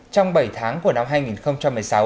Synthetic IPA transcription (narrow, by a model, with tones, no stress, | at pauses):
t͡ɕɔ˧wŋ͡mɓə˧˩jt̪ʰaː˨˦ŋku˧˩əna˧mɦaː˧jŋi˨˩nxə˧wŋ͡mt͡ɕa˧mːɨ˨˩əjsa˨˦w